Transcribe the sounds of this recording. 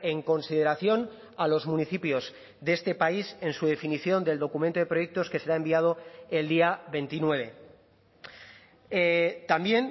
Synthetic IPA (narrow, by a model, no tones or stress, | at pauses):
e̞ŋko̞nsiðe̞ɾaθjo̞n | alo̞zmũniθipjo̞z | ðe̞st̪e̞paise̞nsuðe̞finiθjo̞nd̪e̞ld̪o̞kumẽnt̪oðe̞pɾo̞je̞k̚t̪o̞ske̞se̞ɾae̞mbiað̞o̞eld̪iaβe̞nt̪inwe̞βe̞ | t̪ambje̞n